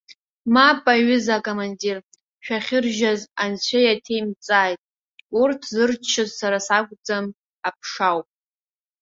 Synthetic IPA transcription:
mapʼaɥʏzakʼomandir | ʃᶣaχʲɪrʒazant͡ɕʷʰajatʰejmt͡sʼaːjtʼ | urtʰzɨrt͡ʃʰːɨzsaɾasakʷʼd͡zam | apʰʂawpʼ

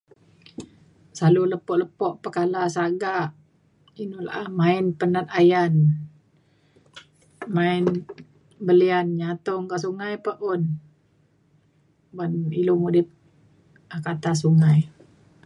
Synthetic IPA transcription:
saluləpɔʔləpɔʔpəkalasaɡaʔ | inula̰ʔahmaɪnpənat̪̚ajan | maɪn | bəlianɲat̪ɔŋɡaʔsuŋajpəʔʊn | banilumudɪp̚ | akat̪as̬uŋaj

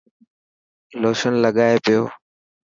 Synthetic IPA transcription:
loːʃənləɠaːepɪjoː

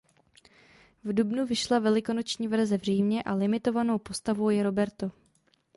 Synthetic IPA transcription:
vdubnuvɪʃlavɛlɪko̞not͡ʃɲiːvɛr̩zɛvr̝iːmɲɛʔalɪmɪt̪o̞vano̞wpo̞st̪avo̞wjɛɾo̞bɛɾt̪o̞

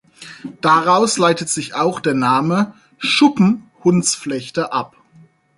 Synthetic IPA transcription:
d̥aʁaʊslaɪtətz̥ɪçaʊxd̥eːɐnaːmə | ʃʊpm̩hʊnt͡sflɛçtəʔap

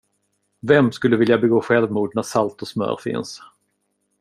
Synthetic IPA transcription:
vɛmskɵlːəvɪljabɛɡoːɧɛlvmuːɖ̪næʂalt̪ɔsmœ̰ːɾfɪ̰ns

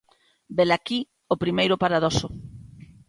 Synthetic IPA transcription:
belaki | opɾimejɾʊpaɾaðɔso

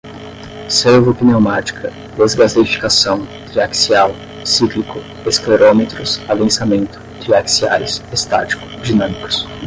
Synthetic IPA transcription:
sevopiniõmat͡ʃi̥kʰɐ | d̪ezɡazeɾifi̥kasɐ̃w̃d̪ɾiaksiaw | siklikʊ | eskleɾomet̪ɾʊsavẽsamẽnt̪ʊ̥d̪̥ɾiaksia̰ɾsest̪a̰t͡ʃi̥kʊ̥d͡ʒinɐ̃mikʊ̥s

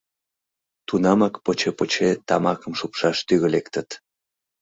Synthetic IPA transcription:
t̪unɑmɑkpot͡ɕepot͡ɕet̪ɑmɑkəmʃupʃɑʃt̪yɣə̆lekt̪ət̪

